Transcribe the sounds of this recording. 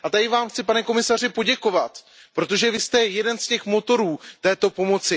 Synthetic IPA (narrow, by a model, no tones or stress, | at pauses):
ʔat̪adɪvaːmxt͡sɪpanɛko̞mɪsar̝ɪpo̞ɟɛko̞vat̪ | pɾo̞t̪o̞ʒɛvɪst̪ɛjɛdɛnscɛxmo̞t̪o̞ɾuːt̪ɛːt̪o̞po̞mo̞t͡sɪ